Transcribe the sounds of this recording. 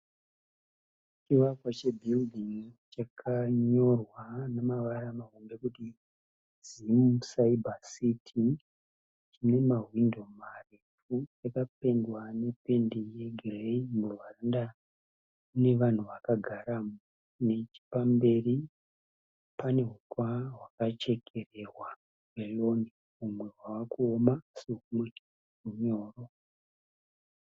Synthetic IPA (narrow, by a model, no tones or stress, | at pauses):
t͡ʃiwakwat͡ʃe̞bʱildiŋt͡ʃakʰaɲo̞rwanamaʋaɾamaɦombe̞kuti | z̥imsaibasitʰi | t͡ʃine̞maɦwindo̞marefut͡ʃakap̚e̞ndwane̞pe̞ndije̞ɡʱreimurwaranda | une̞ʋan̤uʋakaɡʱaɾamu | ne̞t͡ʃi̥pambe̞ri | pane̞ɦutwaɦwakat͡ʃe̞kʰe̞re̞ɦwa | welo̞ni | umwe̞wawakuomaseɦumwe | ruɲo̞ːro̞